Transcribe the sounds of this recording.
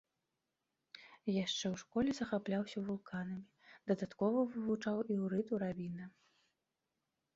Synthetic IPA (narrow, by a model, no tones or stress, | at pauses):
jaʂt͡ʂɛwʂkɔlʲɛzɐxaplʲawsʲɐvulˠkʰanɐmʲid̪̥ɐd̪at̪kɔvɐvɨvut͡ʂawiwɾɨt̪uɾavʲinɐ